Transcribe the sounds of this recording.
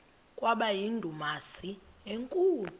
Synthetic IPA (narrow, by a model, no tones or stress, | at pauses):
kʼwaɓajindʱumasieŋkʼuː